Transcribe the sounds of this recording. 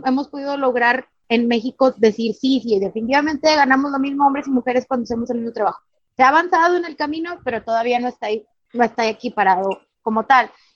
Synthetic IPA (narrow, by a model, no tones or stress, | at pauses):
e̞mo̞spo̞ðiðo̞lo̞ɣɾaɾ | e̞nme̞xiko̞ðe̞siɾsisiðe̞finit̪iβamẽ̞nt̪e̞ɣanamo̞zlo̞mizmoo̞mbɾe̞simuxe̞ɾe̞skwand̪os̬emos̬elmizmot̪ɾaβaxo | seaːβansaðo̞ene̞lkamĩno̞pe̞ɾo̞t̪o̞ðaβ̞iano̞est̪aj | no̞e̞st̪ajekipaɾaðo̞ | ko̞mo̞t̪al